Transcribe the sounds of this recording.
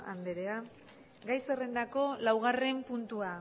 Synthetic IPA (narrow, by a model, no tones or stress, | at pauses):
a̰nd̪eɾea | ɡajse̞re̞nd̪ako̞lawɣ̞are̞mpunt̪ua